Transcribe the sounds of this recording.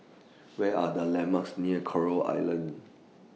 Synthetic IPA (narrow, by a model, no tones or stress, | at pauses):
wɛadəlɛ̃maksniəkʰɔɹoa̰jlə̃n